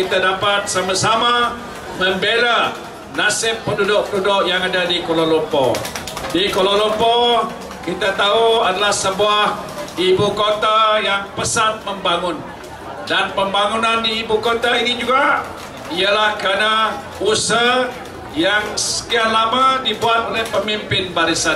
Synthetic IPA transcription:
kit̪adapat̪̚samasama | məmbela | nasɪpːəndudʊk̚pədudʊʔjaŋadadikololɔmpɔdikololɔmpɔ | kit̪at̪auadalahsəbuahibukot̪ajaŋpəsat̪̚məmbaŋʊn | danpəmbaŋunandiːbukot̪ainid͡ʒuɡa | ialahkəɾana | usə | jaŋsə̥kiahlamãdibuat̪̚olɛhpəmimpɪnbaɾisan

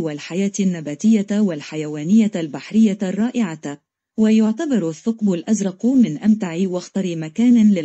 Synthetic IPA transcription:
walħajaːt̪nːabaːt̪ɪjːawalħajawaːnɪjːalbaħɾɪjːarˤːɑːʔɪʕa | wajʊʕt̪abɑɾˤθːʊqbʊlʔazɾˤɑqmɪnʔamt̪aʕiwaxt̪ɑɾimakaːnlɪ

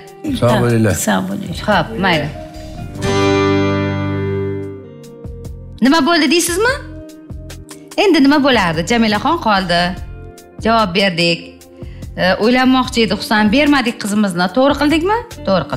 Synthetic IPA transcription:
sabolɪlasabolɒp̚majlɪ | nɪmabolˠd̪ɪd̪ejsɪzmɪ | e̞nd̪ɪnɪmabolaɾd̪ɪd͡ʒamilaχɒnqʰɒlˠd̪ɪ | d͡ʒavɒp̚be̞ɾd̪ɪkʲ | ʔojlanːɒχt͡ʃʰɪed̪ɪχʊ̥sanbe̞ɾmad̪ɪk̚ʲqʰɨzɪmɪznɪt̪ʰoʁɾɨqɨlˠd̪ɪkʲmɪt̪ʰoʁɾɪqʰɨl

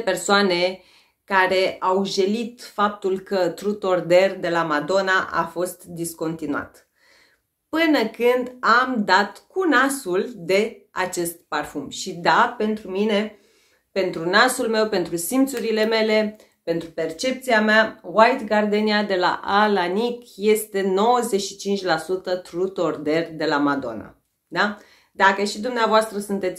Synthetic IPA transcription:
persoane̞ | kaɾe̞awʒelit̪fap̚t̪ulkət̪ɾut̪o̞rd̪e̞rd̪e̞lamad̪o̞naʔa̰fo̞st̪d̪isko̞nt̪inua̰t̪ | pɨnəkɨnd̪amd̪at̪kunasuld̪e̞a̰t͡ʃe̞st̪̚parfumʃid̪ape̞nt̪ɾumine̞ | pe̞nt̪ɾunasulme̞wpe̞nt̪ɾusimt̪suɾile̞me̞le̞ | pe̞nt̪ɾupe̞rt͡ʃe̞p̚t̪siameawajt̪ɡard̪eniad̪e̞la̰ʔalanikje̞st̪e̞no̞wəze̞ʃi̥t͡ʃint͡ʃʲlasut̪ət̪ɾut̪o̞rd̪e̞rd̪e̞lamad̪o̞̰na̰ | d̪a | d̪akəʃid̪umneavoast̪ɾəsunt̪e̞t̪sʲ

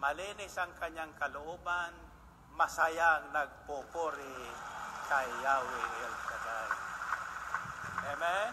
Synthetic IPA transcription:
mɐliːnɪsɐŋkɐɲːaŋkalʊʔoːban | mɐsajaŋnaɡ̚pupoɾɪ | kajːawɪʔɛlkad̪aj | ʔɛmɛ

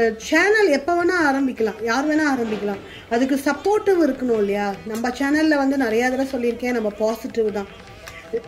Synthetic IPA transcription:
t͡ʃɛːnɐlɛpːɐʋɐnãːaːɾɐmbɪkʲːɐlãːjaːɾɯmeːnãːaːɾɐmbɪkʲːɐlãː | ɐðɯkːɯsɐpːoːɾʈːɐʋɪɾɯkːɐɳʊ̃ːɪlːɐjaːnɐmːɐt͡ʃɛːnɐllɐʋɐnd̪ɯnɪɾɐjaːðɐɾasɔlːɪɾɯkːẽːnɐmːɐpaːsɪʈːɪʋɯt̪ãː

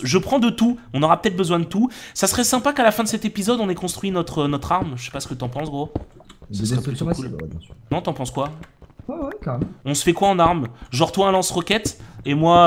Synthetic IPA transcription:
ʒəpχɑ̃d̪ət̪uɔ̃nɔʁapə̥t̪ɛt̪̚bəzwɛ̃d̪ət̪usasχɛsɛ̃pakalafɛ̃d̪əsɛt̪epizɔd̪ɔ̃nɛkɔ̃st̪χɥinɔt̪χənɔt̪χaʁmʒəsɛ̥pasə̥kət̪yɑ̃pɑ̃sɡʁosasʁɛpyt̪kulɛ̰bjɛ̃snɔ̃t̪yɑ̃pɑ̃skwawɛwɛkaʁɛmɔ̃sə̥fɛkwaɑ̃naʁmʒɔʁt̪waɛ̃lɑ̃sʁɔkʲɛt̪emwa

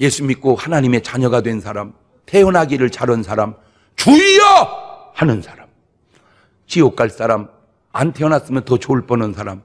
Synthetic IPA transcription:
je̞sʰumːik͈ohanaɲime̞t͡ɕaɲʌɡadwe̞nsʰaɾam | tʰe̞ʌnɦaɡiɾɯɭt͡ɕaɾʌnsʰaɾam | t͡ɕuiʌ | hanɯnsʰaɾam | t͡ɕiok͈aɭs͈aɾam | a̰ntʰeʌnas͈ɯmjʌntʰʌt͡ɕoɭp͈ʌnɯnsʰaɾam

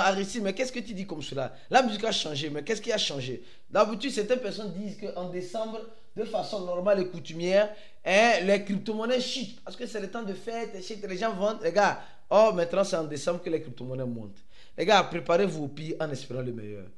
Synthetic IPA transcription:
aʁisimɛkɛskət̪yd̪ikɔmsəla | lamyzikaʃɑ̃ʒemɛkɛskiaʃɑ̃ʒe | d̪ãbit̪yd̪sɛʁt̪ɛ̃npɛʁsɔ̃nd̪izkəʔɑ̃d̪esɑ̃bʁ | d̪əfasɔ̃nɔʁmalekut̪ymjɛːʁ | ɛ̃lɛkip̚t̪omɔnɛʃit̪pasə̥kəsɛlet̪ɑ̃d̪əfɛt̪ɛʃit̪lɛʒɑ̃vɑ̃t̪lɛɡa | ɔmɛ̃t̪nɑ̃sɛɑ̃d̪esɑ̃bʁkəlɛkɾip̚t̪omɔnɛmɔ̰̃t̪ | lʔɛɡapʁepaʁevuopiɑ̃nɛspeʁɑ̃ləmɛ̰jœ̰ːʁ

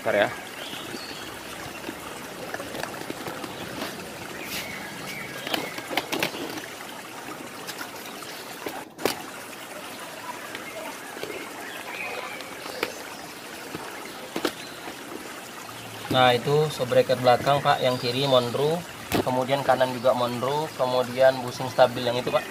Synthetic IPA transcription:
kaɾa | nahit̪usobɾɛkət̪̚blakaŋpa̰ʔjaŋkiɾimɔndɾu | kəmudiankanand͡ʒuɡamɔndɾukəmodianbusɪŋst̪abɪljaŋit̪upaʔ

